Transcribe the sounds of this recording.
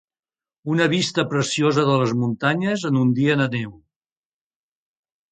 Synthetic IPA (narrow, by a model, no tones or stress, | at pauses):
unəβist̪əpɾəsiozəðələzmunt̪aɲəzənund̪iənənew